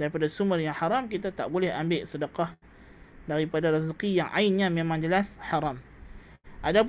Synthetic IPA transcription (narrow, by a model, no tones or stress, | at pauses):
daɾipadasumərjaŋhaɾamkit̪at̪a̰ʔbolɛhambɪʔsədəqah | daɾipadaɾazəqijaŋʔa̰ɪnɲãmẽmãŋd͡ʒəlashaɾam | ʔadap